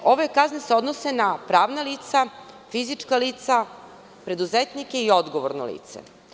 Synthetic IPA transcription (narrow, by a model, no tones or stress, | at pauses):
o̞ʋekazneseo̞d̪nose̞napɾaːʋnaliːt̪sa | fizit͡ʂkaliːt̪sa | pɾe̞d̪uzet̪nikeio̞d̪ɡoʋoɾno̰lḭːt̪sḛ